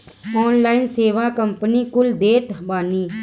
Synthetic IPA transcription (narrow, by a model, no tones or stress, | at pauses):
ɔːnlaːɪnseːʋakə̃mpənikʊld̪eːt̪baːniː